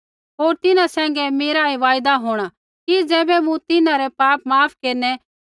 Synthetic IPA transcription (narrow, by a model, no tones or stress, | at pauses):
ɦoːɾt̪ɪnãsɛ̃ːŋɡɛmeːɾaiʋaːjd̪aɦoːɽ̃a | kid͡zɛːbɛmũt̪ɪnãɾɛpaːp̚maːpʰkeːɾnɛ